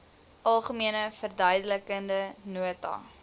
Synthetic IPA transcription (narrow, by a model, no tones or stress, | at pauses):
ʔɐlˠχəmiənəfərdœjdələkəndənuətɑ̰